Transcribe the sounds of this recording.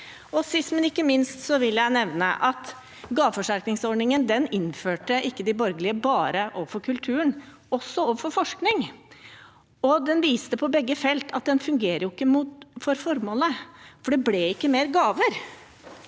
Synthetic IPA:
ɔsɪsmənɪkːəmɪnst̪sɔʋɪlːəjæɪnɛʋnə̰ʔɑt̪ | ɡɑːʋfɔʂæɾknɪŋsɔɖɳɪŋənd̪ɛnɪnføːʈəʔɪkːəd̪ɪbɔɾɡəlɪəbɑːɾəʔoːʋəfɔɾkʰʉlt̪ʰʉːəɳ | ɔsːɔoːʋəfɔɾfɔʂknɪŋ | ɔd̪ɛnʋiːst̪əpʰɔbɛɡːəfɛlt̪ʰɑt̪̚d̪ɛnfʉŋɡeːɾəjʊɪkːəmufɔɾfɔɾmoːləfɔɖɛblɛɪkːəmeːɾɡɑːʋəɾ

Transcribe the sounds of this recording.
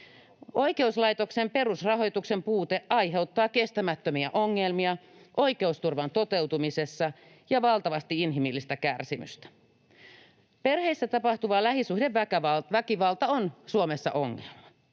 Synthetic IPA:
o̞jke̞uslɑjt̪o̞ksempe̞rusrɑɦo̞jt̪ukse̞mpuːt̪eʔɑjɦe̞ut̪ːɑːke̞st̪æmæt̪ːømiæʔo̞ŋːelmiɑʔo̞jke̞ust̪urʋɑnt̪o̞t̪e̞wt̪umise̞sːɑ | jɑʋɑlt̪ɑʋɑst̪iinɦimilːist̪ækærsimy̰st̪æ̥ | pe̞rhe̞isːæt̪ɑpɑht̪uʋɑːlæhisuhde̞ʋʋækæɑʋækiʋɑlt̪ɑonsuomesːɑ̰ʔo̞ŋːelmɑ

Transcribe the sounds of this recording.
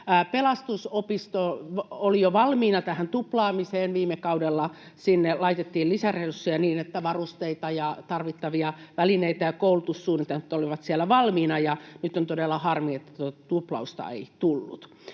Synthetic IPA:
pelɑst̪usopist̪oolijoʋɑlmiːnɑt̪æhænt̪uplɑːmiseːnʋiːmːekɑudelːɑsinːelɑit̪et̪ːiːllisæreusːiɑniːnet̪ːæʋɑrust̪eit̪ɑjɑt̪ɑrʋit̪ːɑʋiɑʋælineit̪æjɑkoulut̪usːuːnːit̪eet̪ːoliʋɑt̪siælːæʋɑlmiːnɑjɑnyt̪ːˑont̪odelːɑhɑrmiet̪ːæ̥t̪uot̪ɑt̪uplɑ̰ust̪ɑ̰ḛit̪ulːṵt̪

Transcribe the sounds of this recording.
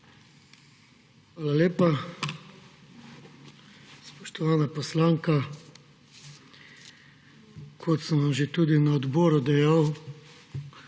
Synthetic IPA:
xʋaːlaleːpa | spɔʃt̪ɔʋaːnapɔslaːŋka | kʰot̪sənʋamʒet̪ud̪inaɔd̪bɔːɾud̪ɛjaw

